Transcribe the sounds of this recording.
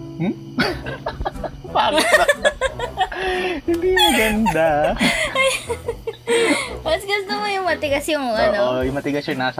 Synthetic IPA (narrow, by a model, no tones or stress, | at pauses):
m̩ | paːɾ | hɪnd̪imɐɡɐnd̪aɐj | mɐsɡɐsnɐmɐjʊŋmɐt̪ɪɡɐsjʊŋʔɐnoʔojʊŋmɐt̪ɪɡɐsjɐnaːsɐ